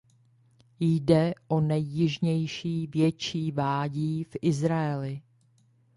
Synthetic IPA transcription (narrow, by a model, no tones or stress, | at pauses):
jdɛʔonɛjːɪʒɲɛjʃiːvjɛt͡ʃiːvaːɟiːfʔɪzɾaɛlɪ